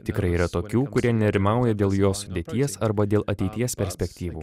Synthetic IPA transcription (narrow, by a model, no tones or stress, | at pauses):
t̪ʲɪkɾɐɪiːɾɐt̪oːkʲuːkʊɾʲiɛnʲɛɾʲɪmɑˑʊjɛd̪ʲeːlˠjoːsʊd̪ʲeːt̪ʲiɛsɐɾbɐd̪ʲeːlˠɐt̪ʲɛɪt̪ʲiɛspʲɛɾʲsʲpʲɛkt̪ʲiːʋuː